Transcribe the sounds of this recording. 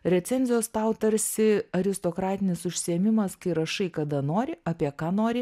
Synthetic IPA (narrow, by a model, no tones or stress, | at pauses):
ɾʲɛt̪sʲɛnʲzʲɪjoːst̪ɐʊt̪ɐɾʲsʲɪɐɾʲɪst̪okɾɑːt̪ʲɪnʲɪsʊʃʲsʲɪɛmʲɪmɐskɐɪɾɐʃɐɪkɐd̪ɐnoːɾʲɪʔɐːpʲiɛkɑːnoːɾʲɪ